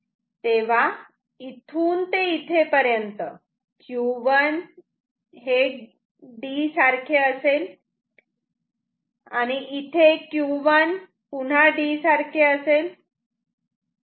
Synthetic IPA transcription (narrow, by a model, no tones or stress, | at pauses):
t̪eʋ̤a | it̪ʰuːnt̪eit̪ʰepəɾjənt̪ə | kjuʋən | ɦe | ɖisaɾkʰeəsel | aɽ̃iʔit̪ʰekjuʋən | pun̤aɖisaɾkʰeəsel